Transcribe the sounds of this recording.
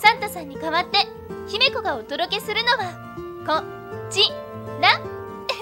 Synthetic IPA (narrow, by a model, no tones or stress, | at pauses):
sãnt̪asãɲ̟ːikaβat̪ːe̞ | çime̞ko̞ɡaod̪o̞d̪o̞ke̞sɨɾɯ̟no̞ɡa | kõ | t͡ɕi | nã